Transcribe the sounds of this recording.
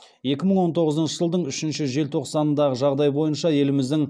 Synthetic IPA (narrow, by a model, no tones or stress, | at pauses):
je̞kʲɪməɴwo̞nt̪ʰo̞ʁəzənʃəʒəlˠd̪əɴʏʃɪnʃɪʒe̞lt̪ʰo̞qsɑnənd̪ɑʁəʒɑʁd̪ɑjbo̞jənʃɑje̞lɪmɪzd̪ɪŋ